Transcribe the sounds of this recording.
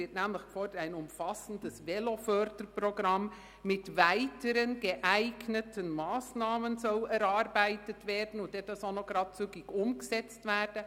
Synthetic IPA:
ɪtnɛːmlɪxfɔːdəɾaɪnʊmfɑsən̩dəsvɛlofœɾdəɾproɡɾɑmː | ɪtvæɪtʰəɾənɡəʔæɪɡnətʰənmɑːsnɑːmənzɔlɛɾɑɾbæɪtətvɛːɾdn̩ʊntdedɑsonoɡ̥ɾɑːt̚t͡syɡɪɡʊmɡəzɛt͡stvɛːɾd̥ə

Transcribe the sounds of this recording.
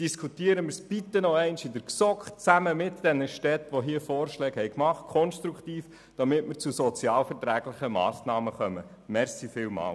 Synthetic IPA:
d̥iskʰut̪iəɾəmɪɾsb̥it̪ːənoɛɪnʃidəɾksɔkχt͡sæməmɪtd̥ɛnəʃtɛt̪ʋoɦiəfɔːrʃlɛːɡhɛjkmɑχt̚kʰɔnʃt̪ɾukt̪iːf | d̥ɑmɪtmɪɾt͡susɔt͡sjɑːlfɛɾtɾæːɡlɪχəmɑ̰ːsnɑːməχœmə | mɛɾsifɪːlmɑ̰ːl

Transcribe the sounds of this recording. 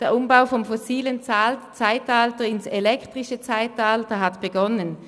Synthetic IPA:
d̥ɛɐʊmbaʊfɔmfɔsiːlənt͡sat͡saɪtaltɐɪnselɛktʁɪʃət͡saɪtaltɐɦatb̥eɡɔnən

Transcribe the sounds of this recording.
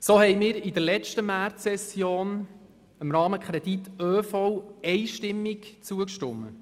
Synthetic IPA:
sohɛjmɪːɾid̥̪əɾlɛt͡ʃtəmæːrtɛsjoːn | ɪmɾɑːməkʰɾɛd̥̪itøːfɔwɛjʃtɪmːɪkt͡suəkʃtʊmːə̰

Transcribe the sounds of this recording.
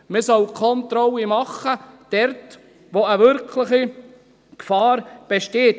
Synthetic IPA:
məsœwkʰɔnt̪ɾɔlimɑχːəd̥ɛɾt | ʋoəʋʏɾkʰlɪχi | kfɑːɾb̥eʃteːt

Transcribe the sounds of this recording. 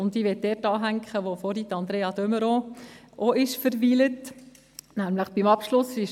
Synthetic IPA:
ʊndiːʋɛt̚dɛːtɑːɦæŋkχəʋofɔɾitɑnd̪ɾeːɑd̪œməɾo | ʔoɪʃfəɾʋiːlət | næmləχb̥imɑpʃlʊsɪʃ

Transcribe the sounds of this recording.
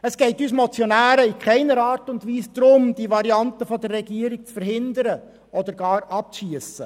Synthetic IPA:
əsɡ̥ɛɪtyːs̬mɔt͡sjɔnæːɾəikʰχɛɪnəɾɑːɾtʊndʋiːsd̥̪ɾʊmd̥iʋɑɾiɑntəfɔd̪ərːɛɡiəɾik̚t͡sfəɾɦɪnd̪əɾə | ʔɔd̪əɾɡɑːɾɑp̚t͡sʃiəsə

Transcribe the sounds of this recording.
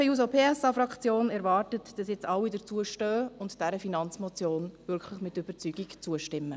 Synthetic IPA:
əjuːzopʰeːɛsɑfɾɑkt͡sjoːnɛɾvɑːrtətd̥ɑsjɛt͡sɑwidət͡suəʃtøːʊntd̥ɛɾəfinɑnt͡smɔt͡sjoːnvʏɾkχləχmɪtʏb̥əɾt͡syːɡikt͡suəʃtɪmːə

